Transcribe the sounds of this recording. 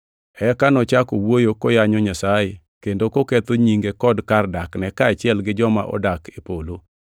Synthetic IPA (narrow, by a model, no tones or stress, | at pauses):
ɛkanɔt͡ʃakowojokojaɲɔɲasaje | kendokokɛt̪oɲiŋɡekɔdkardaknɛkaːt͡ʃɪɛlɡɪd͡ʒɔma̰ʔɔ̰dakʰepolo